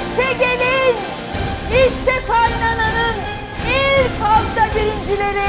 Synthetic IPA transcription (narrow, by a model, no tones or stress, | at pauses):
ʃt̪ʰɛɟʲelʲin | iʃt̪ʰɛkʰajnananɯn | ilʲkalˠt̪ʰabiɾind͡ʒilʲeɾi